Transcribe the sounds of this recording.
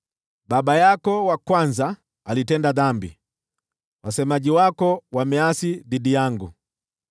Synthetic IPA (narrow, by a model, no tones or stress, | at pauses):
babajakɔwakwanza | alitɛndaðambḭ | wasɛmaɟiwakɔwamɛasididijaŋɡu